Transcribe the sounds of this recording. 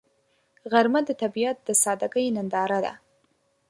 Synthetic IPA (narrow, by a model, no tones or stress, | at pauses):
ɣaɾmad̪ət̪abijat̪̚d̪əsɑd̪aɡəjnand̪ɑɾad̪a̰